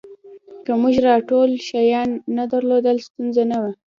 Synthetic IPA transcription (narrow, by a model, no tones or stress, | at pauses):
kamuʒɾɑʈolʃajɑnːad̪aɾlod̪əlst̪unzanawa